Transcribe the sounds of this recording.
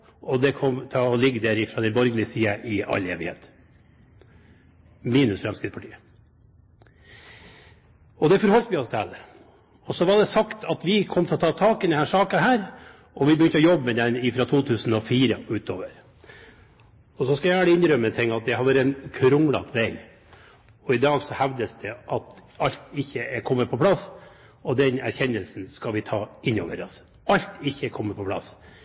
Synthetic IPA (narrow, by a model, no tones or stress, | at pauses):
ʔɔd̪ɛkʰɔmt̪ʰɛɔlɪɡːd̪æɾɪfɾɑd̪ɛnbɔɾɡlɪəsiːəʔɪɑ̰lḛːʋɪhḛːt̪ | miːnʉsfɾɛmskɾɪːt̪spʰɑʈʰiːə | ɔd̪ɛfɔɾhɔlt̪ʋɪɔst̪ʰæ̰lːə | ɔsɔʋɑɖɛsɑkt̪ʰɑt̪ʋɪkʰɔmːt̪ʰɪlɔt̪ʰɑːt̪ʰɑːkɛnəhæːʂɑːkəhæːɾ | ʔɔʋɪbɛjʏnt̪əɔjɔbːəmɛd̪ɛnɪfɾɑt̪ʰuːt̪ʰʉːsn̩ɔfiːɾəʉːt̪o̰ːʋəɾ | ɔsɔskɑjæʋæːɽəɪnɾœmːət̪ʰɛŋːɑt̪̚d̪ɛhɑɾʋæɾɛnkʰɾʊŋlɑ̰t̪ʰʋɛɡ | ɔɪd̪ɑːɡsɔhæʋd̪əsd̪ɛʔɑt̪ɑlt̪ɪçːəɛkʰɔmːəpʰɔpʰlɑs | ɔd̪ɛnæ̰ɾçɛnːəlsn̩skɑlʋɪt̪ʰɑːɪnːo̰ːʋə̰ɾɑ̰s | ɑʎt̪ɪçːəɛkʰɔmːəɾpʰɔpʰlɑ̰s